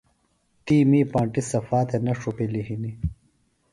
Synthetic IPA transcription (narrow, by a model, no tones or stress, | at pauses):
ʈiːmiːpãːɳʈisɐfaːt̪enɐʂupeliɦini